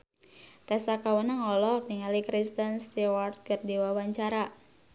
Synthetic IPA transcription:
t̪ɛsakawənaŋɔlɔniŋalikɾist̪ənst̪iwart̪̚kɨrdiwawaɲt͡ʃaɾa

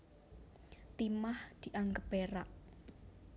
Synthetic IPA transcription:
t̪imahd̪̥i̤ʔaŋɡəpeɾaʔ

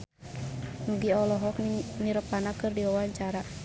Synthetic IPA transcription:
nuɡiɔlɔɦɔk̚niɾəpanakɨrdiwawaɲt͡ʃaɾa

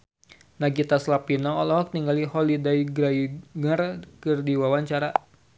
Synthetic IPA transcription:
naɡit̪aslapinɔːlɔɦɔk̚t̪iŋɡalihɔlidajɡɾajŋərkɨrdiwawaɲt͡ʃaɾa

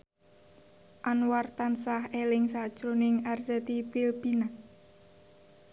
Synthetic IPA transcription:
ʔanwart̪ansahelɪŋsḁt͡ʃɾonɪŋarsɛt̪ipɪlbinak

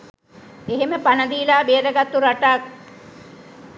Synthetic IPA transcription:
eɦeməpanəd̪iːlaːbeːɾəɡat̪ːuɾaʈak̚

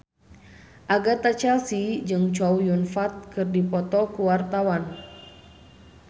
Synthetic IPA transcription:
ʔaɡat̪at͡ʃɛlsid͡ʒɨŋt͡ʃɔwjunfat̪̚kɨrdipɔt̪ɔkuwart̪awan

